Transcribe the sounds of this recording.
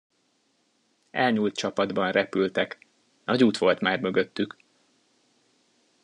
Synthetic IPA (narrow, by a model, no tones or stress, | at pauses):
ʔɛlɲuːlt̪̚t͡ʃɒpɒd̪bɒnrɛpylt̪ɛk | nɒɟuːt̪ʋo̞lt̪maːrmøɡø̞t̪ːyk